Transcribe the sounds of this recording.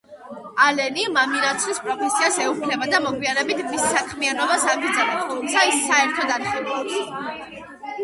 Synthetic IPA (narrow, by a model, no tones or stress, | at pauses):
alɛnimamiɾat̪sʰlispʼɾɔpʰɛsiasɛupʰlɛbad̪amɔɡwiaɾɛbit̪ʰmissakʰmianɔbasaɡid̪zanɛp̪ʼʰɔlˠusaisːaɛɾt̪ʰɔd̪aɾχɛlɔs